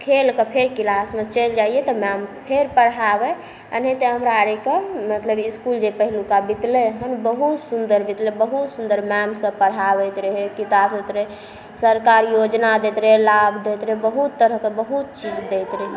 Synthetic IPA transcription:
kʰelkepʰeɾkilasmẽt͡ʃəld͡ʒaijet̪ɔmɛmpʰeɾpəɽabɛ | ə̰net̪əɦəmɾaɾekemət̪ləbiskuld͡ʒepəɦilukabit̪leɦənbəɦut̪sund̪əɾbit̪lebəɦut̪sund̪əɾmɛmsə̃pəɽɦabɛt̪ɾəɦekit̪abset̪ɾɛ | səɾkaɾjod͡ʒnad̪et̪ɾelabʱd̪et̪ɾebəɦut̪ːəɾəɦkebəɦut̪̚t͡ʃid͡ʒd̪et̪ɾəɦi

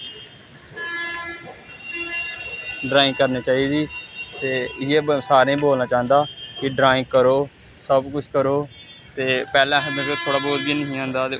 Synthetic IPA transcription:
ɖɾaːɪ̃ŋɡkəɾniːt͡ʃaːiːd̪iːt̪eːɪjeːsaːɾeĩːboːlnaːt͡ʃaːɦə̃nd̪aːkɪɖɾaːɪ̃ŋɡkəɾoː | səbkʊt͡ʃʰkəɾoː | t̪eːpɛːlãːɦəmẽːt̪eːt̪ʰoːɽaːbɔːt̪̚biːnəɦĩːãːnd̪aːt̪eː

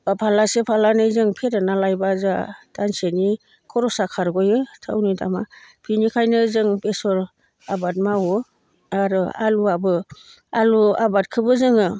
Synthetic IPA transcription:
apʰalasepʰalanɯjzɯŋpʰeɾɯnalajbazatanseni | kʰɔɾɔsakʰaɾɡɔjɯtʰa̰wnida̰mapʰinikʰajnɯzɯŋpesɔɾ | abat̚mawɯ | aɾɯa̰luabɯ | aluabat̚kʰɯbɯzɯŋɯ

